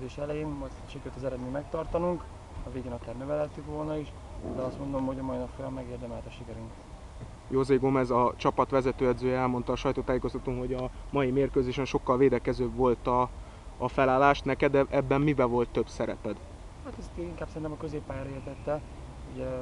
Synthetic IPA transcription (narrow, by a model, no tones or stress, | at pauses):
d̪eːʃɛlɛjeːnmɒjt̪ʃikɛɾyt̪ɒzɛɾɛd̪mimɛk̚t̪ɒrt̪ɒnuŋk | ɒveːɡeːnɒkaːrnøvɛlɛt̪ːykʋo̞lnɒiʃ | ud̪ɛɒst̪mo̞nd̪o̞mho̞ɟɒmɒjinɒpfojɒmːɛɡeːrd̪ɛmɛlt̪ɒʃikɛɾyŋk̪ | jozeːɡomɛzɒt͡ʃɒpɒt̪ʋɛzɛt̪øːɛd̪zøːjɛɛlmo̞nt̪ɒːʃɒjt̪oːt̪aːjeːkost̪ɒt̪umho̞ɟɒmɒjimeːrkøːzeːʃɛnʃokːɒlveːd̪ɛkɛzøːbʋo̞lt̪ɒː | fɛlaːlːaːʃt̪nɛkɛd̪ɛʔɛbːɛmmibɛvo̞lt̪ːøbsɛɾɛpɛd̪ | haːt̪ɛst̪eiŋkaːbsɛɾint̪ɛmɒkøzeːpːaːjaːɾeːrt̪ɛt̪ːɛ | uɟɛ